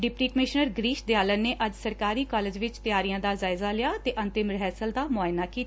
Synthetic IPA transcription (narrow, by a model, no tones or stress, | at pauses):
ɖɪpɾiːkəmɪʃnəɾɡɾiːʃd̪ɪjaːlənːeːʔəd͡ʒsəɾkaːɾiːkɔːleːd͡ʒʋɪt͡ʃt̪ɪjaːɾijãːd̪aːzaːɪzaːlɪjaːt̪eːʔə̃nt̪ɪmɾɦɛːsəld̪aːmʊaːɪnaːkiː